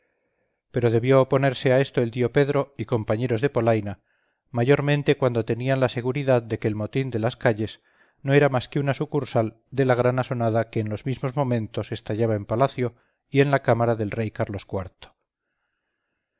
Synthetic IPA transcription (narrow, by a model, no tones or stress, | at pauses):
pe̞ɾo̞ð̞e̞βjo̞ːpo̞ne̞ɾse̞ae̞st̪oe̞ld̪io̞pe̞ðɾo̞iko̞mpaɲe̞ɾo̞zðe̞po̞lajna | maʝo̞ɾmẽ̞nt̪e̞kwand̪ot̪e̞nianlase̞ɣ̞uɾiðaðd̪eke̞ːlmo̞t̪ind̪e̞laskaʎe̞s | no̞e̞ɾamaskeunasukuɾsal | d̪e̞laɣ̞ɾanaso̞naðakeːnlo̞zmizmo̞zmõ̞mẽ̞nt̪o̞se̞st̪aʝaβaempalaθjo̞ | ie̞nlakamaɾaðe̞lre̞jkaɾlo̞skwaɾt̪o̥